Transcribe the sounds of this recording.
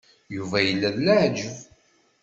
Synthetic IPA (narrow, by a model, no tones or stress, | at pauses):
juvæjəlːæðlaʕd͡ʒəv